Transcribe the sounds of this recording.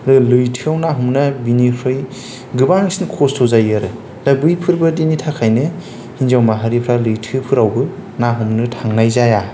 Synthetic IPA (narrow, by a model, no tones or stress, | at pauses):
ɾɯlɯjtʰɯawnaɦumnɐbinipʰɾɯj | ɡɯbaŋisnkʰɔstʰɔzajaɾɯ | dabɯjpʰɯɾbɯdinitʰakʰajnɯ | hinzawmaɦaɾipʰɾalɯjtʰɯpʰɯɾawbɯnaɦumnɯtʰaŋnajzaja